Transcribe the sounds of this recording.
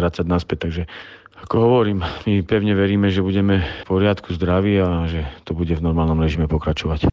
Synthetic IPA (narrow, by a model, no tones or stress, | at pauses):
ɾat͡saɟnaspɛt̚t̪aɡʒɛakɔɦɔʋɔɾiːmmipɛʊɲɛʋɛɾiːmɛʒɛbuɟɛmɛpɔɾɪat̪kuzd̪ɾaʋiaʒɛt̪ɔbuɟɛvnɔɾmaːlnɔmɾɛʒimɛpɔkɾat͡ʃɔʋac